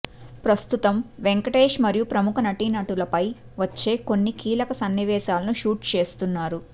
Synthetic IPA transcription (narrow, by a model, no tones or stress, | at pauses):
pɾɐst̪ut̪ɐmʋeŋkɐʈeːʂmɐɾijupɾɐmukʰɐnɐʈinɐʈulɐpɐj | ʋɐt͡ʃːe̞ːko̞nːikiːlɐkɐsɐnːiʋɛːʃaːlɐnuʃuːʈt͡ʃe̞ːst̪unːaːɾu